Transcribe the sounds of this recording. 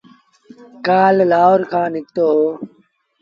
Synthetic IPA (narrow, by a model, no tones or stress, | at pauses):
kaːllaːɦoːɾkʰãːnɪk̚t̪oːɦoː